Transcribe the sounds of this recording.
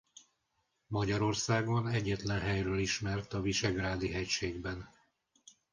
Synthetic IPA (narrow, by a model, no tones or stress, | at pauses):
mɒɟɒɾo̞rsaːɡonɛɟːɛt̪lɛnɦɛjrøːliʃmɛrt̪ɒviʃɛɡraːd̪iɦɛcʃeːɡbɛn